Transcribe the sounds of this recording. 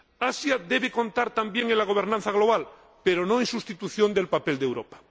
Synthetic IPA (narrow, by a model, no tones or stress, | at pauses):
asjaðeβekõ̞nt̪aɾt̪ambjeŋenlaɣ̞o̞β̞eɾnãnθaɣ̞lo̞β̞al | peɾo̞nõeŋsust̪it̪uθjõ̞nd̪elpapeld̪ewɾopḁ